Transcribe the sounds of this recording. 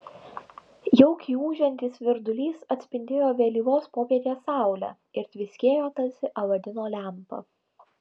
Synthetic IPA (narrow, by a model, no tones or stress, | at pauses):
jɛʊkʲiːuːʒʲɛnʲt̪ʲiːsʋʲɪɾd̪ʊlʲiːsɐt̪ʲsʲpʲɪnʲd̪ʲeːjoːʋʲeːlʲiːʋoːspoːpʲiɛt̪ʲeːsɑˑʊlʲæ̰ | ɪɾt̪ʲʋʲɪsʲkʲeːjoːt̪ɐsʲɪʔɐʋɐd̪ʲɪnoːlʲæˑmpɐ̰